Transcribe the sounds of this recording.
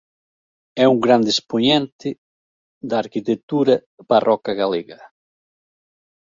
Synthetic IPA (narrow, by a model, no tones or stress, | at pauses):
ɛuŋɡɾand̪espoɲɛnt̪ɪ | d̪ɐːɾkit̪et̪uɾɐ | parʔɔkɐɣaleɣɐ